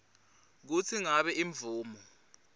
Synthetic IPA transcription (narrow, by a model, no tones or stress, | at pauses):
k̬ut͡sʰiŋaɓɛʔiɱvuːmɔ